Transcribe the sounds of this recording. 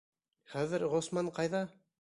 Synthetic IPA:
χæðɘɾʁosmɑɴqɑjðɑ

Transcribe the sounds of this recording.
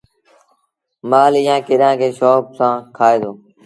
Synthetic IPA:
maːlɪjãːkɪɗãːkʰeːʃɔːpsãːkʰaːeːd̪oː

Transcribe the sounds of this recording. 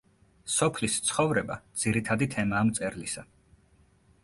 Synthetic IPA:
sɔpʰlist̪sʰχɔvɾɛbad̪z̥iɾit̪ʰad̪it̪ʰɛmaːmt̪sʼɛɾlisa

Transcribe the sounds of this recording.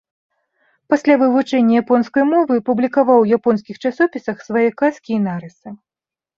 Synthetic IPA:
pasʲlʲavɨvut͡ʂɛnʲːɐjapɔnskɐjmɔvɨpublʲikavawjapɔnskʲixt͡ʂasɔpʲisɐxsvajɛkaskʲiːnaɾɨsɨ

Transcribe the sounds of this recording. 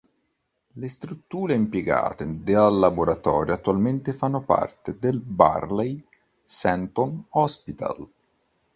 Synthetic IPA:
lest̪ɾut̪ːuːɾeimpjeɡa̰ːt̪ed̪ealːaboɾat̪ɔːɾjoat̪ːualment̪ɪfanːopa̰rt̪ed̪elba̰rlɛj | sɛnt̪onɔspit̪a̰l

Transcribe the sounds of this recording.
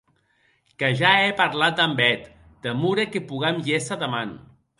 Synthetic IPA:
kəʒaepaɾlat̪̚d̪ambɛt̪ | d̪̥əmuɾekepuɣamjesaðəman

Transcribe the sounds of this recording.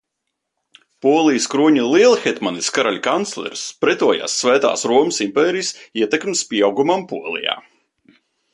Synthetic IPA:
puɔlˠijskɾuɔɲilˠiɛlˠxɛt̪maniskaɾalʲkant̪sʲlʲˠɛ̰ɾspɾɛt̪uɔja̰ːsːvæːt̪a̰ːsɾuɔməsimpeːɾijsiɛt̪ɛkmspʲiɛawɡumampuɔlˠḭja̰ː

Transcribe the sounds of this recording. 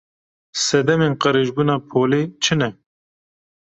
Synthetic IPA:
sɛd̪ɛmeːnqəɾeːʒbunɑːpʰoːleːt͡ʃʰɨnɛ

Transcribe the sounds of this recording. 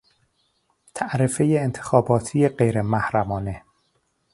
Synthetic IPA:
t̪ʰæʔɾefejeːnt̪ʰe̥xɒːbɒːt̪ʰijeɢejɾemæhɾæmɒːne̞

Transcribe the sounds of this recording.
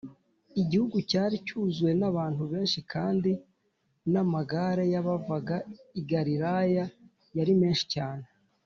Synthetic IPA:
iɟihuɡucaːɾicuːzwe̞naβaːn̥huβeːnʃikʰaːndi | namaɡaɾejaβavaɡaiɡaɾiɾaja | jaɾime̞ːnʃi̥caːne

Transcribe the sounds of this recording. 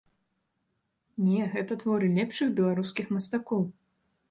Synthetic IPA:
nʲɛɣɛt̪ɐt̪vɔɾɨlʲɛpʂɨɣbʲɛlˠaɾuskʲixmɐst̪akɔw

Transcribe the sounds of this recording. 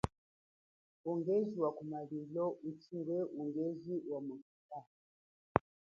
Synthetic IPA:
ɔŋɡɛziwakumalilɔʔut͡ʃiwɛʔuŋɡɛziwamakuta

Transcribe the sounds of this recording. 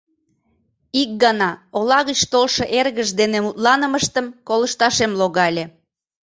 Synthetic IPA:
ik̚ɡɑnɑolɑɣət͡ɕt̪olʃɤ̆ʔerɣəʒd̪enemut̪lɑnəməʃt̪əmkoləʃt̪ɑʃemloɣɑlʲe

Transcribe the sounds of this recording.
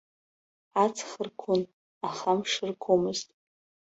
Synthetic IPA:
at͡sʰχərkʷʰʊn | aχamʂɨrkʷʰomɨztʼ

